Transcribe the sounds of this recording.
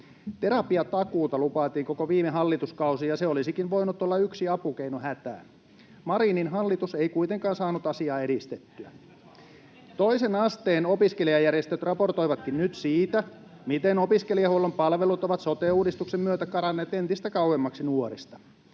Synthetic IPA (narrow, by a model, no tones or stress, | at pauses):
t̪eɾɑpiɑt̪ɑkuːt̪ɑlupɑːt̪iːŋkokoʋiːmeɦɑlːit̪uskɑusijɑseolisikinʋoinut̪olːɑyksiɑpuk̟einohæt̪æ̰ː | mɑɾiːninɦɑlːit̪useikuit̪eŋkɑːnsɑːnut̪ɑsiɑːedist̪et̪ːyæ | t̪oisenɑst̪eːnopiskeliɑjærjest̪øt̪rɑpo̞rt̪oiʋɑt̪kinnyt̪siːt̪æ | mit̪eno̞piskelijɑhuolːompɑlʋelut̪oʋɑt̪sot̪euːdist̪uksemmyøt̪ækɑɾɑnːeːt̪ent̪ist̪ækɑwwemːɑksinuoɾist̪ɑ̥